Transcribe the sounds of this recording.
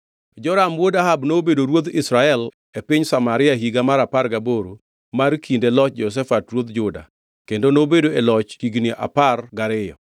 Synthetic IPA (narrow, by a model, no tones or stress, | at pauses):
d͡ʒɔɾamwodaɦabnobedoɾwod̪ɪsɾaɛl | epɪɲsamaɾɪaɦiɡamaɾaparɡaboɾo | markʰindelɔt͡ʃ̚d͡ʒɔs̬ɛfatɾwod̪d͡ʒʊda̰ | kendonobedoelɔt͡ʃhiɡniʔa̰parɡaɾɪjɔ̰